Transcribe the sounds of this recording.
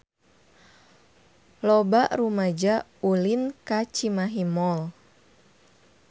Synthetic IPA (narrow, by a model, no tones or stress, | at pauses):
lɔbaʔrumad͡ʒa | ulinkat͡ʃimaɦimɔl